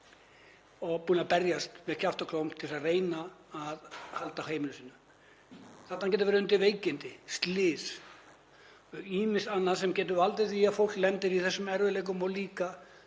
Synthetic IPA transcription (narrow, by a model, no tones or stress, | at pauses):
ɔɣpuːnapɛɾjast̪mɛðcʰaft̪ʏkʰlowm̥t̪ʰːɪlsareːjnaaðhalt̪ahejmlsiːnːʏ | θaht̪acɛːt̪ʏvɛɾɪʏnt̪ɪveːjcɪnt̪ɪst̪lɪːs | iːmɪnsanːaðsɛmcɛːt̪̬ʏvalt̪ɪθiafowlklɛnt̪ɪɾiθɛsːʏmɛɾvʏlejk̬ʏmɔɣliːka